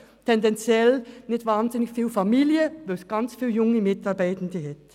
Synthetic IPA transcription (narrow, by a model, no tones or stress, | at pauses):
tʰɛndɛnt͡sjɛlnɪçtvaːnzɪnɪçfiːlfamiːljəvɛsɡ̥ant͡sfiːljʊŋəmɪtɑʁbaɪtən̩dəhɛt